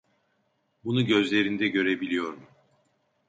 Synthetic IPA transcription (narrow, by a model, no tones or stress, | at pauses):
bunuɟø̞zlʲe̞ɾind̪ɛɟø̞ɾebilʲijo̞ɾmu